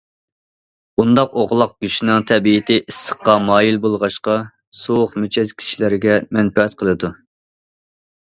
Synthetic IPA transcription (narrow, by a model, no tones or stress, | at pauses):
bund̪ɑqoʁlˠɑq̚ɡ̥ʲyʃinɪŋt̪ʰɛbijɪt̪ʰɪʔisːə̥qːɑmɑːjilbolˠʁɑʃqɑ | soχmyt͡ʃʰɛz̥kʲʰi̥ʃilɪɾɪɡʲɛmɛnpɛɛt̪qʰəlˠɨd̪u